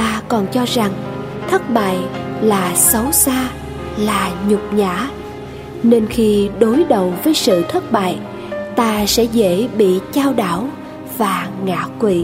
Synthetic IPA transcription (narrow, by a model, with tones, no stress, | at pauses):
t̪aː˧kɔ˨˩nt͡ɕɔ˧za˨˩ŋ | t̪ʰə˦˥t̚ɓa̰ː˧˨jlaː˨˩sa˨˦wsaː˧ | laː˨˩ɲʊ˨˩k͡p̚ɲa̰ː˧˥ | ne˧nxi˧ɗo˨˦jɗə˨˩wvəː˨˦jsɨ̰˧˨t̪ʰə˦˥t̚ɓa̰ː˧˨j | t̪aː˧sɛ̰˧˥ɣḛ˧˥ɓḭ˧˨t͡ɕaː˧wɗaː˧˩w | vaː˨˩ŋa̰ː˧˥kwḭ˧˨